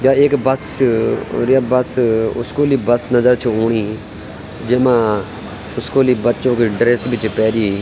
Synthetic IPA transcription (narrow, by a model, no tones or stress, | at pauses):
jaːeːkbəst͡ʃɾjaːbəsʊ̰skoːliːbəsnəzəɾt͡ʃʰoːɳiː | d͡ʒɪmãː | ʊskoːliːbətːt͡ʃõːkeɖɾeːsbɪt͡ʃpɛːɾiː